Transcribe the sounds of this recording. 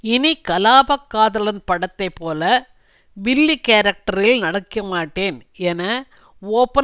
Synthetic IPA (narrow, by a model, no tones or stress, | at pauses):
ɪnikɐlaːbɐkːaːðɐlɐnpɐɽɐt̪ːɐɪpːoːlɐ | ʋɪlːikeːɾɐk̚ʈɐɾɪlnɐɽɐkːɐmaːʈːeːnɛnɐ | oːpːɐ